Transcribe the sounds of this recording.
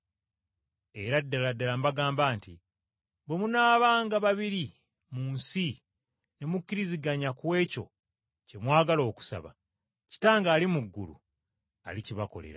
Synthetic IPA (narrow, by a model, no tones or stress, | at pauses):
e̞ɾadːaladːalambaɡaːmbaːnti | bwemunaːβaːŋɡaβaβiɾi | muːnsi | ne̞mukːiɾiziɡaɲakwe̞ːco̞̰ | ce̞mwaːɡalo̞ːku̥sa̰βa̰ | ci̥taːŋɡaːlimuɡːulṵ | a̰liciβako̞̰le̞̰ɾa̰